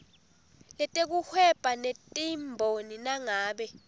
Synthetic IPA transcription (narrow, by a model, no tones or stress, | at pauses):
lɛtʼek̬uhwɛpʼanetʼimbʱoninaŋaːɓɛ